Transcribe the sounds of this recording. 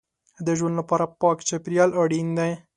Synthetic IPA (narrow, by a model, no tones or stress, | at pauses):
d̪əʒwand̪lapɑɾapɑkt͡ʃapɾijɑlaɽind̪aj